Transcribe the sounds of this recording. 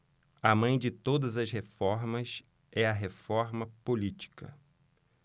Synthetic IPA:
ɐmɐ̃j̃d͡ʒɪt̪od̪ɐzɐshefɔɾmɐs | ɛɐɦefɔɾmɐpolit͡ʃi̥kɐ̰

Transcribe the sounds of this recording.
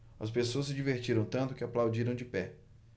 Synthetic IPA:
ɐspesoɐs̬ɪd͡ʒiveɾt͡ʃiɾɐ̃w̃t̪ɐ̃nt̪ʊkɪaplawd͡ʒiɾɐ̃w̃d͡ʒɪpɛ

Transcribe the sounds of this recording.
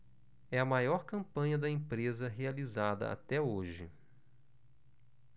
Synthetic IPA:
ɛɐmajɔɾkɐ̃mpɐ̃ɲɐd̪ɐẽpɾezɐɦealizad̪ɐ̰a̰t̪ɛoʒɪ̰

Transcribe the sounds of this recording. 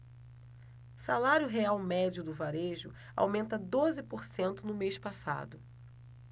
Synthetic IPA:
salaɾjʊɦeawmɛd͡ʒʊd̪ʊvaɾeʒʊ̰ | a̰wmẽnt̪ɐd̪ozɪpoɾsẽnt̪ʊnʊmejʃpasa̰d̪ʊ

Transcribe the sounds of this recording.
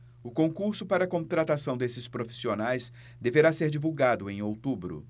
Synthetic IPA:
ʊkõkuɾsʊpaɾɐːkõt̪ɾat̪asɐ̃w̃d̪esɪspɾofi̥sionajs | d̪eveɾaseɾd͡ʒivuwɡad̪ʊẽj̃owt̪ubɾʊ̰

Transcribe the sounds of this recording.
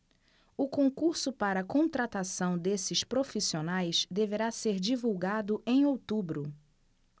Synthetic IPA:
ʊkõŋkuɾsʊpaɾɐːkõt̪ɾat̪asɐ̃w̃d̪esɪʃpɾofisionajʃd̪eveɾaseɾd͡ʒivuwɡad̪ʊʔẽj̃owt̪ubɾʊ

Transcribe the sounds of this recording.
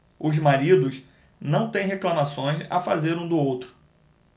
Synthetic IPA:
ʊzmaɾid̪ʊʃ | nɐ̃w̃t̪ẽj̃ɦeklɐmasõj̃sa̰fazeɾũd̪ʊowt̪ɾʊ̥

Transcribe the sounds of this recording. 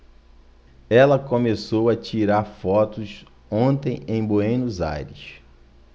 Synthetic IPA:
ɛlɐkõmesowɐt͡ʃiɾaɾfɔt̪ʊs | õt̪ẽj̃ẽj̃boẽj̃nʊza̰jɾis

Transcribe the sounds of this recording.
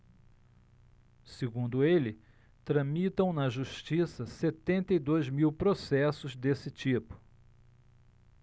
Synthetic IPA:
seɡũnd̪ʊelɪ | t̪ɾɐ̃mit̪ɐ̃w̃nɐʒuʃt͡ʃisɐset̪ẽnt̪ɐid̪ojzmiwpɾosɛsʊzd̪esɪt͡ʃipʊ̥

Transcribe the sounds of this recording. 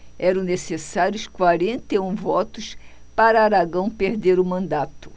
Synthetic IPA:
ɛɾɐ̃w̃nesesaɾjʊskwaɾẽnt̪eũvɔt̪ʊspaɾɐaɾaɡɐ̃w̃peɾd̪eɾʊmɐ̃nd̪at̪ʊ̥

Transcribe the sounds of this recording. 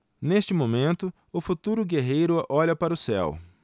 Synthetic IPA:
neʃt͡ʃɪmomẽnt̪ʊ | ʊfut̪uɾʊɡeɦejɾʊʔɔʎɐpaɾɐʊsɛ̰w

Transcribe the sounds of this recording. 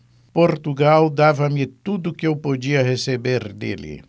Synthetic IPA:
poɾt̪uɡawd̪avɐmɪt̪ud̪ʊkɪewpod͡ʒiɐhesebeɾd̪ḛlɪ̰

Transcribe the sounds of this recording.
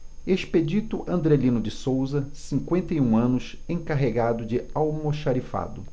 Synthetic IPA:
eʃped͡ʒit̪ʊʔɐ̃nd̪ɾelĩnʊd͡ʒɪsowzɐsĩŋkwẽnt̪ejũɐ̃nʊs | ẽkaɦeɡad̪ʊd͡ʒɪawmoʃaɾifa̰d̪ʊ

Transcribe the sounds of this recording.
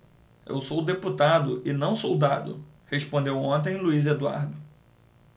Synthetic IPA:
ḛwsowd̪eput̪ad̪ʊʔɪnɐ̃w̃sowd̪ad̪ʊ̰ | hespõnd̪ewõnt̪̬ẽj̃luized̪ua̰ɾd̪ʊ

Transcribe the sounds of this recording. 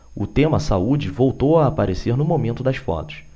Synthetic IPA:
ʊt̪ẽmɐsaud͡ʒɪvowt̪owaːpaɾeseɾnʊmomẽnt̪ʊd̪ɐsfɔ̰t̪ʊ̥s

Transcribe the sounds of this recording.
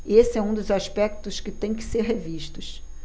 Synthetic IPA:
esɪɛũd̪ʊzaʃpɛk̚t̪ʊskɪt̪ẽj̃kɪ̥seɾɦeviʃt̪ʊʃ

